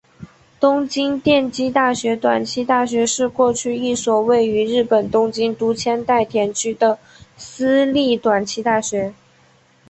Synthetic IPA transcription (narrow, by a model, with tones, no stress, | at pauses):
t̪ʊ˥ŋt͡ɕi˥ŋt̪jɛ˥˧nt͡ɕi˥t̪a˥˩ɕɥɛ˧˥t̪wa˨˩nt͡ɕʰi˥t̪a˥˩ɕɥɛ˧˥ʂɻ̩˥˧kwɔ˥˧t͡ɕʰy˥˧i˥˩swɔ˨˩we˥˩ɪy˧˥ɻɻ̩˥˩pə˨˩nt̪ʊ˥ŋt͡ɕi˥ŋt̪u˧˥t͡ɕʰjɛ˥nt̪a˥˩ɪt̪ʰjɛ˧˥nt͡ɕʰy˥d̪ə˨ | sɹ̩˥li˥˩t̪wa˨˩nt͡ɕʰi˧˥t̪a˥˩ɕɥɛ˧˥